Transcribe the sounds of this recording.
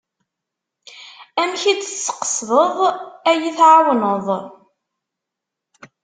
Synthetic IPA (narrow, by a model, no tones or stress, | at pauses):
æmçit͡sət͡sːə̥qə̥sðˤəðˤæjiθʕawnəðˤ